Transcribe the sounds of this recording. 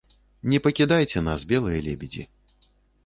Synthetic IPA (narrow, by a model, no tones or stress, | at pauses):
nʲɛpɐkʲid̪ajt͡sʲɛnazbʲɛlˠɐjɐlʲɛbʲɛd͡zʲḭ